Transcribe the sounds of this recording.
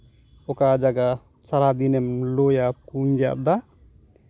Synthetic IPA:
ɔkad͡ʒaɡa | t͡ʃaɾad̪inɛmlɔjakuɲd͡ʒa̰ʔd̪a

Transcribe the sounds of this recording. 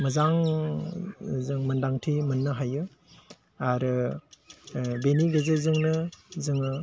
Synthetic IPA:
mɯzaŋ | zɯŋmɯndaŋtʰimɯnːɯɦajɯ | aɾɯ | beniɡɯzɯzɯŋnɯzɯŋɯ

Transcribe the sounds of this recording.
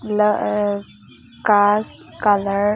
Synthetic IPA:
lə | kastkalə

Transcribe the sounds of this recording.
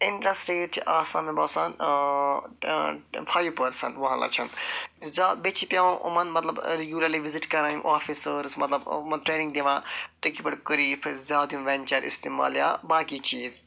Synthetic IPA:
ɪnʈɾɐsɾeːʈt͡ʃʰiʔaːsãːmẽbaːsaːn | fʰaːjʋpɐɾsɐ̰̃nʋɐɦãːlʔa̰ːt͡ʃʰɐnzʲaːd̪̚bet͡ʃʰipjaʋõʔṵmɐnmɐt̪lɐbɾeɡjulɐɾliʋiziʈkɐɾaːjṵ̃ʔaːfisəɾsmɐt̪lɐbmɐnʈɾeːnĩŋɡd̪eʋãːt̪ɐkʰibɐɽkəɾiːpʰzʲjaːd̪jũʋɛ̃nt͡ʃɐɾɪ̰st̪iːma̰ːlja̰ːbaːkit͡ʃiːz

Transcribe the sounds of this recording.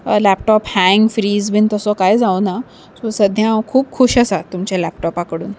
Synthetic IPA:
læp̚ʈɔphɛ̃ŋɡfɾiːzbint̪əsɔkajd͡zawna | sɔsəd̪ʱjãkʰuːp̚kʰuɕəsat̪umt͡ɕalæp̚ʈɔpakəɽṵːn

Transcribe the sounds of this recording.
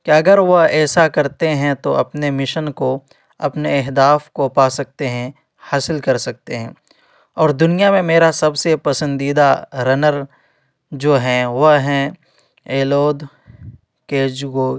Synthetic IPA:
kiɐɡəɾʋoɦɛːsakɐɾt̪eɦɛ̃t̪oɐ̰pnemɪʃənko | ɐpneɪɦd̪aːfkopaːsɐk̚t̪eɦɛ̃ | haːsɪlkɐɾsɐk̚t̪eɦɛ̰̃ː | ɔːɾd̪ʊnijamẽmeːɾasɐbsepɐsə̃nd̪iːd̪aɾɐnəɾ | d͡ʒoːɦɛ̃ʋoɦɛ̃ | eːloːd̪ | keːd͡ʒɡoː

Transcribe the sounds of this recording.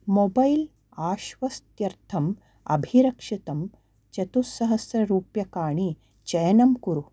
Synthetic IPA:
mobɐjl | aːʃʋɐst̪jɐɾt̪ʰɐm | ɐ̰bʱiɾɐkʂit̪ɐm | t͡ʃɐt̪usːɐɦɐsɾɐɾuːpjɐkaːɳi | t͡ʃɐjɐnɐmkuɾu

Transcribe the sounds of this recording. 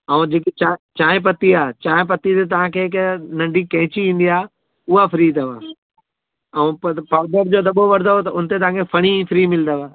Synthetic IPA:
ɐũd͡ʑeːkit͡ɕat͡ɕaːɦɪ̃p̬ɐt̪iaːt͡ɕaːɦẽp̬ɐt̪it̪et̪̬ɐʋ̤ãkʰeknɐ̃ɳɖʱikɐ̃ɦɪ̃t͡ɕiʋĩːn̆d̪iaː | ʊɦafɪɾid̪əʋaː | ɛũpɐpaːɾd̪əɾd͡ʑoːd̪ɐɓoʋɐɾd̪əot̪ɐʊnɪt̪et̪ɐʋ̤ãkʰefɐɽ̃ifɾiːmɪld̪əʋaː

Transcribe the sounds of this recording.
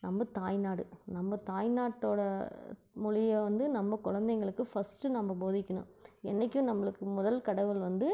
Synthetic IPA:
nɐmːɐt̪aːjnaːɽɯnɐmːɐt̪aːjnaːʈːoːɽɐ | mʊɻɪjɐʋɐnd̪ɯnɐmːɐkʊɻɐnd̪ɐŋɡɐɭɯkːɯfɐsʈːɯnɐmːɐboːðɪkʲːɐɳʊ̰̃ɛnːɐkʲːʊ̃mnɐmːɐɭɯkːɯmʊðɐlkɐɽɐʋɪlʋɐnd̪ɯ

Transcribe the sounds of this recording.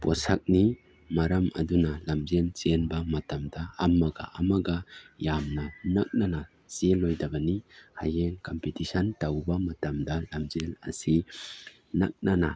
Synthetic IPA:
pɔsak̚ni | mɐɾɐmɐ̰dunalɐmzelt͡ʃenbamɐtɐmdɐːmɐɡa̰ʔːmaɡajamnanɐk̚nana | selojdɐbɐniha̰jeŋkompitisɐntawbamɐtɐmdɐlɐmzelɐ̰si | nɐ̰k̚nana̰

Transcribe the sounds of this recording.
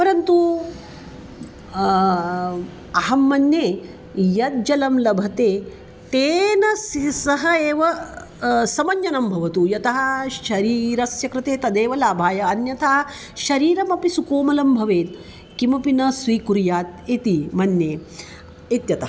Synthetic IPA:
pɐɾɐnt̪u | ɐɦɐmːɐnːjeː | jɐt̪̚d͡ʒɐlɐmlɐbʱɐt̪eː | t̪eːnɐssɐɦɐeːʋɐ | sɐmɐɲjɐnɐmbʱɐʋɐt̪ujɐt̪ɐɦɐ̆ʃɐɾiːɾɐsjɐkɾɨt̪eːt̪ɐd̪eːʋɐlaːbʱaːjɐɐnjɐt̪ʰaːɐ | ʃɐɾiːɾɐmɐpisukoːmɐlɐmbʱɐʋeːt̪ | kimɐpinɐsʋiːkuɾjaːt̪̚it̪imɐnjeː | it̪jɐt̪ɐ

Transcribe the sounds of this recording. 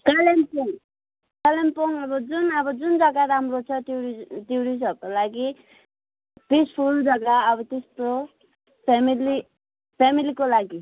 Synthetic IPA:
kalempoŋ | kalempoŋʌbʌd͡zunʌbʌd͡zund͡zʌɡaɾamrot͡sʰʌtiɾiʈiwɾisʌkolaɡi | t̪espʰuld͡zʌɡaʌbʌt̪esʈo | pʰamili | pʰeamilikolaɡi

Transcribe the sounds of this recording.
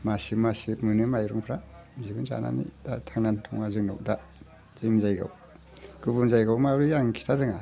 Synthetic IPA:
masimasimɯnɯmajɾuŋpʰɾamziɡunza̰na̰nḭdatʰaŋnantʰɔŋazɯŋna̰w̚da | z̥ɯŋzajɡa̰w | ɡ̥ɯbunzajɡawmaɾijaŋkʰi̥tʰazɯŋa

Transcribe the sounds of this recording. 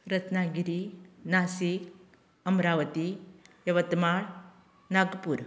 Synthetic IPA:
ɾɐt̪naːɡiɾinaːsik | ɐmɾaːʋɐt̪ijɐʋɐt̪maːɽ | naːɡpuːɾ

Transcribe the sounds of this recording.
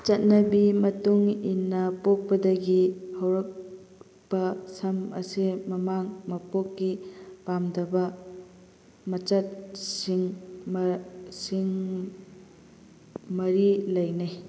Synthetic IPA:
t͡ʃɐt̚nɐbimɐtuŋinːɐpok̚pɐdɐɡihɐwɾɐk̚ | bɐsɐmɐ̰simɐmaŋmɐpokːipamdɐbɐ | mɐt͡ʃɐt̚siŋmsiŋ | mɐɾilɐjni

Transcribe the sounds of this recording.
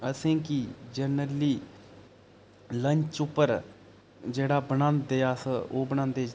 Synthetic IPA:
əsẽːkid͡ʒənəɾliː | ləɲt͡ʃʊpːəɾ | d͡ʒeːɽaːbənãːnd̪eːaːsəoːbənãːnd̪eː

